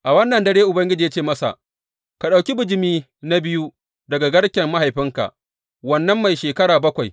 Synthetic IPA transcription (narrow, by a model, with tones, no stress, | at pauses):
ʔa˨wɐ˦nːɐ˨ndɐ˦ɽeː˦ʔʊ˨bɐ˦ŋɡʲɪ˦d͡ʒiː˨ja˦t͡ʃeː˦˨mɐ˦sa̰˨ʔ | ka˨ɗa˨wkʲi˦bʊ˨d͡ʒɪ˨miː˦ | na˦bɪ˦ju˦ | dɐ˨ɡa˨ɡɐ˦ɽkʲɛ˨mːa˦ha˨jɸɪ˦ŋka̰˨ʔ | wɐ˦nːɐ˦mːa˨jʃeː˨kɐ˦ɽaː˨bɐ˦kʷa˨j